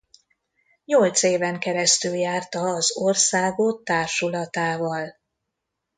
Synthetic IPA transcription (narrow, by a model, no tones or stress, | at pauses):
ɲo̞lt̪seːvɛŋkɛɾɛst̪yljaːrt̪ɒːzorsaːɡot̪ːaːrʃulɒt̪aːvɒl